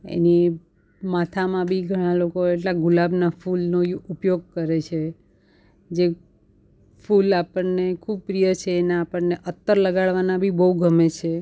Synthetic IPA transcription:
ḛni | mat̪ʰamãbʱiɡʱəɽ̃ãlokoeʈlaɡulabnafulnoupjoɡ̚kəɾet͡ʃʰe | d͡ʒe | fulapəɳnekʰub̚pɾijət͡ʃʰeːnãːpəɳneʔət̪ːəɾləɡaɭʋanabʱibəuɡʱəmet͡ʃʰe

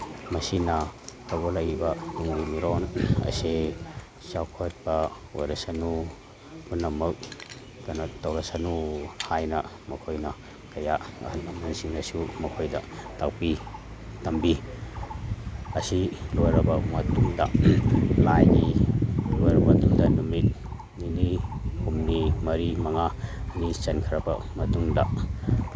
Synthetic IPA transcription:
mɐsinɐkɐɡolɐjbɐnuŋbimiɾonɐ̰se | t͡ʃawkʰot̚bɐ | o̰jɾɐsanu | kunːɐmɐk̚ | kɐnatɐwɾɐsanuhajnɐ | mɐkʰojnɐ | kɐja̰htnɐmɐnsiŋnɐsumɐkʰojdɐtak̚pitɐmbi | ɐsilojɾɐbɐmɐtuŋdɐ | lajnilojɾɐbɐtuŋdɐnumit̚ | ninihumnimɐɾimɐŋanisɐnkʰɐɾɐbɐ̰mɐtuŋdɐ

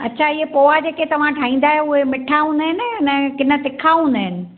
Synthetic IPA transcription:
ɐ̰tːɕʰaɪɦepoːad͡ʑeːket̪ɐʋ̤ãʈʰãːĩːn̆d̪aːɦeʊɦemɪʈʰaɦũːnd̪əɦɪnɪnəkɪnə̆t̪ɪkʰaɦũːnd̪əɦɪnɪ̆

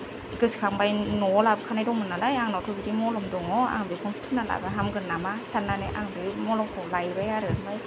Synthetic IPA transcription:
kɯskʰaŋbajnolapkʰanadoŋmɯnalajaŋnɔt̪ʰubitimɔːlɔmdoŋɔʔa̰ŋbikʰonst̪ʰunala̰baɦamkɯnːamasʰanːanaʔa̰ŋbimɔːlɔmkʰolajbajaɾɯnbaj

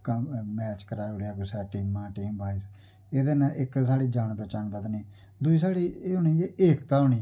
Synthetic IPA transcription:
kmɛːt͡ʃkəɾaːɾoːɽejaːɡʊsɛːʈiːmãːʈiːmbaːiːs | eːd̪eːnãːʔɪksaːɽiːd͡ʒaːnpəːt͡ʃaːnbət̪niː | d̪uiːsaːɽiːeːɦoːniːeːeːkt̪ãːɦoːniː

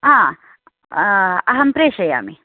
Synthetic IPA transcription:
ɦãː | ɐɦɐmpɾeːʃɐja̰ːmi

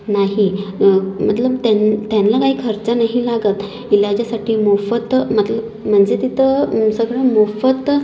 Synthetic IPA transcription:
naɦi | m̤ət̪ləbt̪ant̪janlakaɦiːkʰəɾt͡sanaɦilaɡət̪ | ilad͡ʑasaʈʰiːmofət̪m̤ət̪ləb | m̤əɳd͡zet̪it̪ʰəsəɡɭəmofət̪

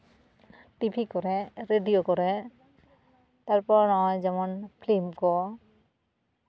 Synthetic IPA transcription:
tipʰikɔɹɛɹedijokɔɹɛ | taɹpɔɹnɔɦɔjzɛmɔnpʰlimkɔ

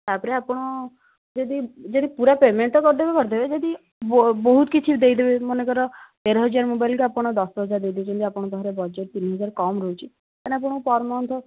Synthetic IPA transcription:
t̪apɔɾeapɔɽ̃ɔ | d͡ʒed̪id͡ʒed̪ipuɾapemeɳʈɔkɔɾd̪ebekɔɾd̪ebed͡ʒed̪i | bɔɦut̪kit͡ʃʰid̪ejd̪ebemɔnekɔɾɔt̪eɾɔɦɔd͡ʒaɾmobajlkuapɔɽ̃ɔd̪ɔsɦɔd͡ʒaɾd̪ejd̪ebet͡ʃʰunt̪iapɔɽ̃ɔbʱɔɦɾebɔd͡ʒeʈ̚t̪inɦɔd͡ʒaɾkɔmɾɔut͡ʃʰi | k̪aneap̬ɔɽ̃pɔɾmɔnt̪ʰɔ

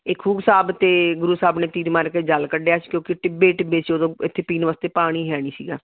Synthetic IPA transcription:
ekʰuːɡsaːbt̪eːɡʊɾuːsaːbneːt̪iːd̪maːɾkeːd͡ʒəlkəɖeaːskjõːkɪʈɪbeːʈbeːsiːoːd̪õːɪt̪ʰːeːpiːnʋaːst̪eːpaːɽ̃iːɦɛːɽ̃iːsiːɡaː

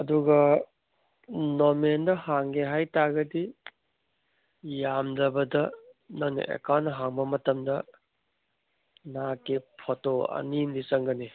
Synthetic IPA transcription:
ɐduɡɐ | nomendɐhaŋɡeɦajtaɡɐdi | jamdɐbɐdɐnɐŋnḭʔḛkawnɐɦaŋbɐmɐtɐmdɐ | nakepʰotoɐ̰nindisɐŋɡɐni

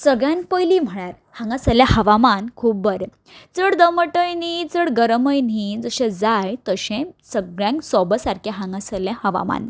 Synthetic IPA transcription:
səɡɭjãnpəjlim̤əɽaɾ | hãŋɡasəljahəʋamankʰuːp̚bəɾe | t͡səɽd̪əməʈəjnid͡zəɽɡəɾməjnid͡zəɕẽd͡zajt̪əɕẽsəɡɭjãŋksɔbəsaɾkʰeɦãŋɡãsəljãhəʋa̰ma̰n

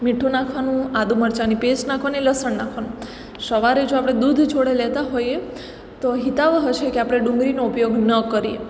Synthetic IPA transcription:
miʈʰːũnakʰʋanũad̪uməɾt͡ʃanipesnakʰʋaneləsəɳnakʰʋanũ | səʋaɾed͡ʒoapɽ̃ed̪ud̪ʱt͡ʃʰoɽelet̪aɦoje | t̪oɦit̪aʋɦət͡ʃʰekeapɽ̃eɖũŋɡɾinoupjoɡnəkəɾiḛ

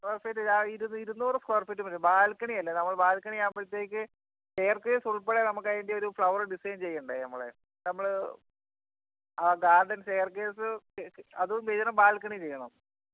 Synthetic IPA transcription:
skʋɐrfetːɐaiɾunːiɾunːoːrɨskɐrfetːumɐtːebaːlkɐɳiɐlːɐnɐmːɐɭbaːlkɐɳiaːmbɐɭit̪ːeːkʲːɨ | seːɐrkeːsuɭpeɽenɐmukːɐjindeo̞ɾufɭɐʋɐrɨɖisɐjɐmt͡ɕe̞jːɐɳɖenɐmːɐɭḛ | nɐmːɐɭ | ɐɡaːrɖɐnseːɐrkeːsɨɐðumʋed͡ʑɐnɐmbaːlkɐɳit͡ɕe̞jːɐɳɐm

